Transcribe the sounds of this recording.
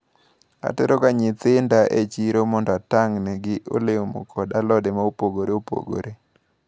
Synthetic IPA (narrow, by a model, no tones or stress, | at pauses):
a̰tɛɾokaɲɪt̪ɪndaʔet͡ʃiɾomɔndɔataŋnɛɡɪʔo̰leomo̰kʰɔdalɔdemaopoɡoɾeopo̰ɡo̰ɾe